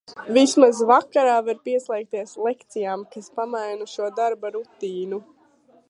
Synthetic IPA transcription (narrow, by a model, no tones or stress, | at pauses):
vismazvakaɾaːvaɾpiɛslˠɛjk̚t̪iɛslˠekt̪sijaːmkaspamajnuʃuɔd̪aɾbaɾut̪iːnu